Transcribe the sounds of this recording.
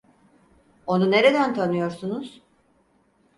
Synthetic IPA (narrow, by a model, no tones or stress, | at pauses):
o̞nune̞ɾe̞d̪ænt̪ʰanɯjo̞ɾsunuz̥